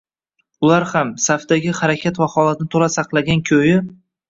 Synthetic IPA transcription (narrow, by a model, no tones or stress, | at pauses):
ʊlaɾhamsafd̪aɡʲɪhaɾakʲʰat̪vaχɒlˠat̪nɪt̪ʰolasɑqlˠaɡʲankʲʰojɪ